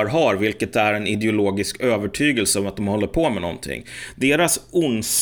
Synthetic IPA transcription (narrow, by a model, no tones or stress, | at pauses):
ɾɦaɾvɪlkət̪æɾɛnɪd̪ɛʊloːɡɪskøːvəʈʰyːɡəlsəɔmat̪̚d̪ɔmhɔlːəɾpʰɔmɛnɔ̰nt̪ʰɪ̰ŋːd̪eːɾasʊns